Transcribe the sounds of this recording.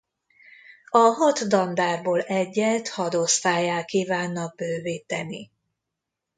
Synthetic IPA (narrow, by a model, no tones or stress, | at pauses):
ɒɦɒt̪d̪ɒnd̪aːrboːlɛɟːɛlt̪hɒd̪ost̪aːjaːlkiːvaːnːɒɡ̚bøːviːt̪ɛni